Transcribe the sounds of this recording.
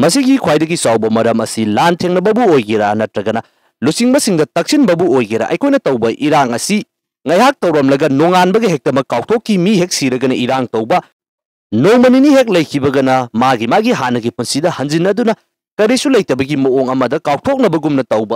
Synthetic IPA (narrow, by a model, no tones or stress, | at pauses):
mɐsiɡikʰwajdɐɡisawbɐmɐɾɐmɐsilantʰeŋnɐbɐbuojɡiɾa̰nɐtɾɐɡɐnɐ | lusiŋbɐsiŋdɐtɐk̚sinbɐbuojɡeɾa̰ʔɐ̰jkʰojnɐtɐwbɐʔiɾaŋɐsi | ŋɐjɦak̚tɐwɾɐmlɐɡɐnoŋanbɐɡɐɦek̚tɐmɐkːaw̚tʰokːimiɦek̚siɾɐɡɐnɐʔiɾaŋtɐwbɐ | nowmɐniniɦek̬̚lɐjkʰibɐɡɐnɐmaɡimaɡiɦanːɐɡipunsidɐhɐnd͡ʒinːɐdunɐ | kɐɾisulɐjtɐbɐɡimɐoŋɐmɐdɐkaw̚tʰok̚nɐbɐɡumnɐtɐwbɐ